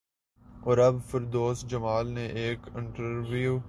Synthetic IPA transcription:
ɔːɾɐbfɪɾd̪oːsd͡ʒəmaːlneʔeːkɪ̃ɳʈəɾʋiuː

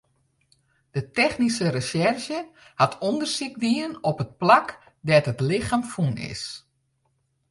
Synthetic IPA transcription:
d̥ətɛxnisərəsɛrʃjə | hatʰondərsik̚ʋiənɔpət̚plak | dɛtətlɪxaːmfunɪ̰s

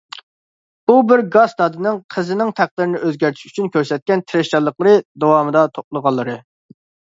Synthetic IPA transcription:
ubɪɾɡɑsd̪ɑd̪ɨnɪŋqʰəzɪnɪŋt̪ʰæχ̚d̪ɪɾɪnɪøzɡʲæɾt̪ʰi̥ʃy̥t͡ʃʰynkʲʰøɾsɛt̪̚kʲɛnt̪ʰɪɾɪʃt͡ʃɑlˠːəqlˠəɾɨd̪owɑmɨd̪ɑt̪ʰop̚lˠəʁɑlˠːɨɾɨ

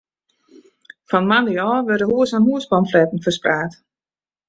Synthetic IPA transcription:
fɔnmandəjɔːʋørdəhuəsanɦuəsbɔmflɛtn̩fərspraːt

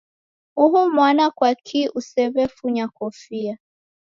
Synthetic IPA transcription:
uɦumwanakwakʰiʔusɛβɛfuɲakɔfia

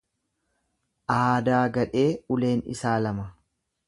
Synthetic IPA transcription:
ʔaːd̪aːɡɐᶑe̞ːʊle̞ːnɪ̰saːlɐmɐ

